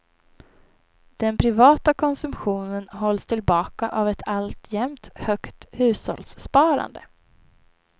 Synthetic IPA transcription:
d̪̥ɛnpʰɾɪvɑːt̪akʰɔnsɵmɧuːnənɦɔlːst̪ʰɪlbɑːkaʔavɛt̪ʰalt̪jɛmt̪hœkt̪hʉ̟ːshɔ̰ld̪sːpɑːɾa̰nd̪ə

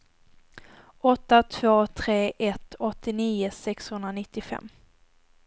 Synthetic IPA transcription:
ʔɔt̪ːat̪ʰv̥oːt̪ʰɾeːʔɛt̪ɔt̪ːɪniːəsɛkshɵnd̪ɾanɪt̪ːɪfɛ̰mː

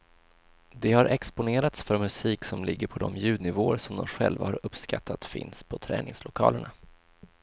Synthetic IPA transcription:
d̪ɛhaɾʔɛkspʊneːɾat̪sfœɾmɵsiːksɔmlɪɡːəɾpʰɔd̪ɔmjʉ̟ːd̪nɪvoːɾsɔmd̪ɔmɧɛlvahaɾɵpːskat̪ʰːat̪fɪ̰nspʰɔt̪ʰɾɛ̰ːnɪŋslʊkʰɑːləɳa

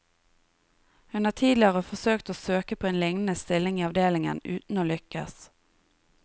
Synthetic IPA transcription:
hʉnhɑːt̪ʰiːd̪lɪəʁəfɔsøːkt̪oːsøːkəpʰoːeːnlɪŋnəst̪ɪlɪŋiːɑʋd̪eːlɪŋə̰nʉ̰ːt̪n̩oːlʏkə̰s

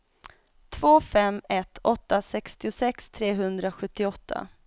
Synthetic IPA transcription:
t̪ʰv̥oːfɛmːɛt̪ʰɔt̪ːasɛkst̪ɪʊsɛkst̪ʰɾeːɦɵnd̪ɾaɧɵt̪ːɪɔt̪ʰːa̰

